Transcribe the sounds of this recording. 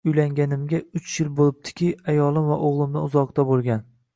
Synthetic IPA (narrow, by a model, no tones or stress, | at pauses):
ʊjlaŋɡʲanɪmɡʲaʊt͡ʃʰjɪlbolˠɪp̚t̪ʰɪ̥kʲɪajɒlˠɪmvaʔoʁlˠɪmnɪʊzɒqt̪abolˠɡʲan